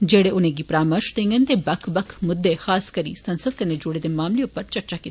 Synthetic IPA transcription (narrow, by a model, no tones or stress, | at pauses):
d͡ʒeːɽeʔʊnẽɡipɾaːməɾʃt̪ẽŋɡənt̪ebɐkʰbɐkʰmʊd̪ːexaːskɐɾḭsɐ̃nsəd̪̚kɐned͡ʒʊɽed̪emaːmlijõpɐɾt͡ʃɐɾt͡ʃakit̪ː